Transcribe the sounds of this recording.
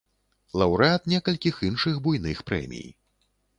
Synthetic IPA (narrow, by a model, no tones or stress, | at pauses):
lˠɐwɾɨat̪nʲɛkɐlʲkʲixinʂɨɣbujnɨxpɾɛ̰mʲḭj